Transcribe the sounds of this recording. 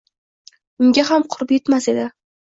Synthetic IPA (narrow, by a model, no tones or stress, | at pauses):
ʊŋɡʲaɦamqʰʊɾɪpje̞t̪mase̞d̪ɪ